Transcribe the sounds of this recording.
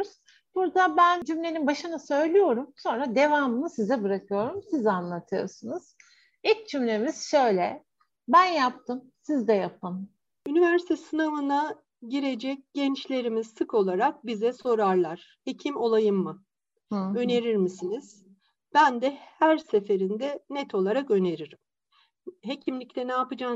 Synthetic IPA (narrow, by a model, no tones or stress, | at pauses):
z̥ | b̥uɾd̪abænd͡ʒymlʲe̞ninbaʃɯnɯsø̞jlʲyjo̞ɾumso̞nɾad̪e̞vaːmɯmɯsizɛbɯɾakɯjo̞ɾumsizanlˠat̪ʰɯjo̰sunuz̥ | ic̚d͡ʒymlʲemiz̥ʃø̞jlʲɛ | bænjap̚t̪ʰɯmsizd̪ɛjap̚ɯm | ynivæɾsit̪ʰɛsɯnavɯna | ɟiɾe̞d͡ʒɛc̚ɟɛnt͡ʃlʲe̞ɾimizsɯkʰo̞lˠaɾak̚bizɛso̞ɾaɾlˠaɾ̥ | he̞cʰimo̞lˠajɯmːɯ | ø̞ne̞ɾiɾmisiniz̥ | b̥ænd̪ɛhæɾse̞fe̞ɾind̪ɛnɛt̪ʰo̞lˠaɾakø̞ne̞ɾiɾim | ɦe̞cʰimlʲiclʲɛnaːpɯd͡ʒa